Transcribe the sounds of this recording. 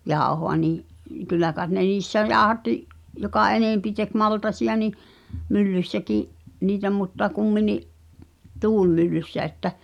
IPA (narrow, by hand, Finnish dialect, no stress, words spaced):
jɑˑohoɑ niːʔ kylːæ kɑˑet ne niːsːæ jɑːŏhɑtːiʔ jokɑ eneˑmpi tek mɑltɑsiɑ ni mylːysːækiʔ niːtæ mutːɑ kumːiniʔ tuːlmylːysːæ etːæ